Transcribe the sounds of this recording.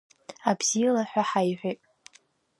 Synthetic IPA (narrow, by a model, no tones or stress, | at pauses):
abz̥ilaħʷᶣaħajħʷᶣitʼ